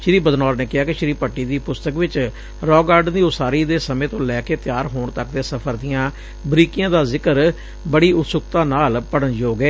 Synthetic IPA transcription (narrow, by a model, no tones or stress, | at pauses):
ʃɪɾiːbəd̪nɔːɾneːkɪɦaːkɪʃɪɾiːpəʈːiːd̪iːpʊst̪əkʋɪt͡ʃ | ɾɔːɡaːɖd̪iːʊsaːɾiːd̪eːsəmẽːt̪õːlɛːkeːt̪ɪjaːɾɦoːɳt̪ək̚d̪eːsəpʰəɾd̪ijãː | bɾiːkɪjãːd̪aːzɪkəɾ | bəɽiːʊt̪sʊkt̪ãːnaːlpəɽənd͡ʒoːɡeː